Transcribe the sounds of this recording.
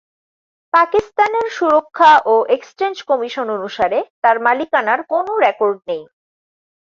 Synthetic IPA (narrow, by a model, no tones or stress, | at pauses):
pakist̪aneɾʃuɾokʰːaʔoʔekst͡ɕend͡ʑkɔmiʃononuʃaɾet̪aɾmalikanaɾkonoɾɛkoɾɖ̚nej